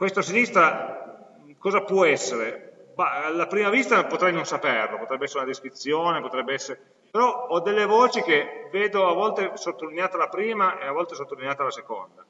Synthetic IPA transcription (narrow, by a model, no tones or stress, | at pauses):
kwest̪osinist̪ɾa | kɔːzapwɔɛsːeɾebaalːapɾiːmavist̪apot̪ɾɛjnonsaperlopot̪ɾɛbːeɛsːɾunad̪eskɾit̪sːjoːnepot̪ɾɛbːeɛsːeɾe | peɾɔɔd̪elːevɔːt͡ʃik̟eveːd̪oavːɔlt̪esot̪ːolineaːt̪alapɾiːmaʔeavːɔlt̪esot̪ːolineaːt̪alasekond̪a